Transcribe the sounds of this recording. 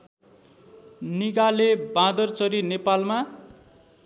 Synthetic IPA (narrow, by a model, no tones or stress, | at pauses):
niɡalebãd̪ʌrt͡sʌɾinepalma